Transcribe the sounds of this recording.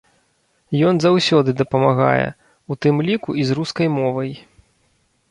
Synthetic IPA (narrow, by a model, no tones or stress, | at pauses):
jɔnzawsʲɔd̪ɨd̪ɐpɐmaɣa̰jɛ̰ | ut̪ɨmlʲikuizruskɐjmɔvɐj